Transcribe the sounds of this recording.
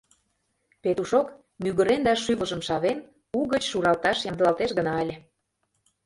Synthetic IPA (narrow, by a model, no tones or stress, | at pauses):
pet̪uʃok | myɣə̆ɾend̪ɑʃyβə̆ʒə̆mʃɑβen | uɣət͡ɕʃuɾɑlt̪ɑʃjɑmd̪əlɑlt̪eʃɣənɑəlʲe